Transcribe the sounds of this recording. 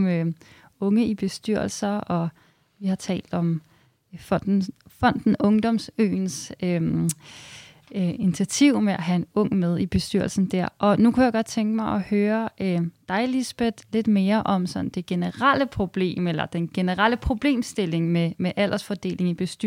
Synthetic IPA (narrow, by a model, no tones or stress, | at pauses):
mø | ɔ̽ŋəib̥e̝sd̥yɐ̰l̩sɐɒ̽ | ʋihɑ̈t͡sʰɛ̰ːld̥ɒ̽m | fɒnd̥n̩fɒ̽n̰d̥n̩ɔ̽ŋd̥ɒ̽msø̰ːnsø | init͡sʰiæt͡sʰiʊ̰meʔæɦæenɔ̽ŋ̰með̞ˠib̥e̝sd̥yɐ̰l̩sn̩d̥æɐ̰ʔɒ̽nukʰujäɡ̥ɒ̽d̥̚t͡sʰeŋɡ̥əmɑ̈ɪʔɒ̽høːɐʔød̥ɑ̈ɪlisb̥ed̥le̝d̥me̝ːɐʔɒ̽msɒ̽n̰̩d̥e̝ɡ̥e̝nəʁal̰əpʰʁo̝b̥le̝̰ːmelɐd̥enɡ̥e̝nəʁal̰əpʰʁo̝b̥le̝̰ːmsd̥e̝le̝ŋmemeʔæl̰ʔɐsfɒd̥e̝̰ːle̝ŋib̥e̝sd̥y